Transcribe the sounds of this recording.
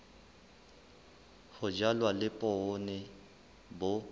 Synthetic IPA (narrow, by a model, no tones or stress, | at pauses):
hʊd͡ʒalwalɪpʼɔːnɛ | bʊ